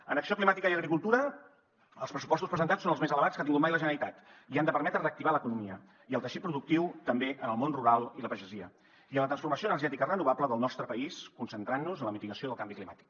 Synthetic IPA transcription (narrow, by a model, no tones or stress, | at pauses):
ənəksioklimat̪ikəiəɣɾikulˠt̪uɾə | əlˠspɾəsu̥pɔst̪uspɾəzənt̪at͡sːonəlˠzmezələβat͡skat̪iŋɡut̪majləʒənəɾit̪at̪iand̪əpəɾmɛt̪ɾərək̚t̪iβaləkunumiə | iəlˠt̪əʃit̪̚pɾuðuk̚t̪iwt̪əmbeʔənəlˠmonruɾalˠiləpəʒəziə | iələt̪ɾənsfuɾməsioənərʒɛt̪ikərənuβ̞abləðəlˠnɔst̪ɾəpəiskunsənt̪ɾanːuzənləmit̪iɣəsioðəlˠkambiklimat̪i̥k̚